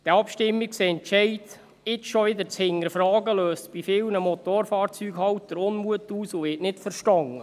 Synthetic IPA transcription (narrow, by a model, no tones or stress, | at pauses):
d̥ɛɑpʃtɪmːikseɛnt͡ʃɛɪt | ɪt͡sʃɔʋɪd̪əɾt͡shɪŋːəɾfɾɑːɡəløːstb̥ifɪlnəmɔt̪oɾfɑːɾt͡syːɡhɑwtdəɾʊnmuətuːsʊʋɪːʔnɪtfəɾʃtɑŋːə